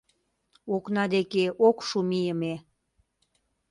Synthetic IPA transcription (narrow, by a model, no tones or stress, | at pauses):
oknɑd̪ekeʔokʃumijəme